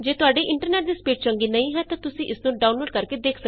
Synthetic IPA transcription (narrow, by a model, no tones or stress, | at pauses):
d͡ʒeːt̪ʊaːɖeʔɪ̃ɳʈəɾneːʈ̚d̪iːspiːʈ̚t͡ʃə̃ŋɡiːnəĩːɦɛːt̪ãːt̪ʊsĩːʔɪsnũɖaːunloːɖ̚kəɾked̪eːkʰsə